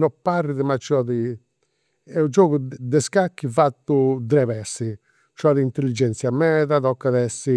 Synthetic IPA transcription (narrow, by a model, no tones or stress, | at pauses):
nɔpːarːiðɛmat͡ʃɔði | ɛud͡ʒoːɣud̪ɛskakːivat̪ːud̪ɾɛβɛsːi | t͡ʃɔðiint̪elːid͡ʒɛnt̪sjamɛːðaðɔkːaðɛsːi